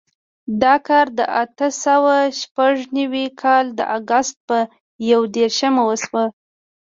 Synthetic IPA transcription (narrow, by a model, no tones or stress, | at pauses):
d̪ɑkɑɾd̪ə̰ʔat̪əsawaʃpaʐnawikʰɑld̪ə̰ʔaɡast̪̚pə | jawd̪eɾʃəmawəswə